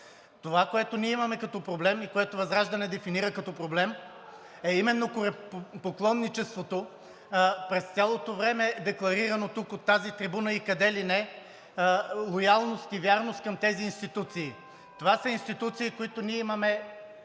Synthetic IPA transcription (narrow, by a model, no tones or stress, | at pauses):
t̪ovakoɛt̪oniɛimɐmɛkɐt̪ɔpɾoblɛmikoɛt̪ovɐzɾaʒd̪ɐnɛd̪ɛfiniɾəkɐt̪ɔpɾoblɛm | ɛimɛnːokoɾɛppoklˠɔnːit͡ʃɛst̪vot̪o | pɾɛst̪sʲjalˠot̪ovɾɛmɛd̪ɛklˠɐɾiɾɐnot̪ukot̪ːazit̪ɾibunəikɐd̪ɛlinɛ | lˠojalˠnost̪ivʲjaɾnost̪kɐmt̪ɛziːnst̪it̪ut̪siː | t̪ovasəinst̪it̪ut̪siːkoit̪oniɛimɐmɛ